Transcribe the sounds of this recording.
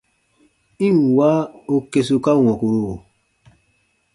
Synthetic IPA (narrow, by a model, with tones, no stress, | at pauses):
ĩ˦˨wa˦o˦ke˨su˨ka˦˨wɔ̃˨ku˨ɾu˦o˨